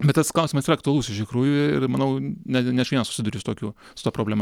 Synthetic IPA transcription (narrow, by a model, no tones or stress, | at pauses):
bʲɛt̪ɐsklˠɐʊsʲimɐsiːɾɐkt̪ʊɐlˠuːsʲɪʃt̪ʲɪkɾuːjʊɪɪrmɐnɐʊnʲɛnʲɛɐʃʲʋʲiɛnɐsʊ̥sʲɪd̪ʊɾʲɪːsʊt̪oːkʲuː | sʊt̪ɑːpɾoːbʲlʲæmɐ